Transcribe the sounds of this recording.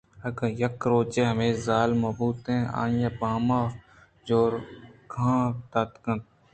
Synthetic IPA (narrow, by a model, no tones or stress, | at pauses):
ɐɡjɐkɾoːt͡ʃeːɦəmeːzaːlmoːbuːt̪ɦẽːa̰ːnjaːbaːmaː | d͡ʒoːɾɡʰʱãːt̪aːt̪kə̃nt̪